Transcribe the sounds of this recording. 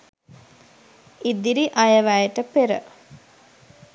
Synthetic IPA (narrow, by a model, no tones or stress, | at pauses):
id̪iɾiʔajəʋæjəʈəpeɾə̰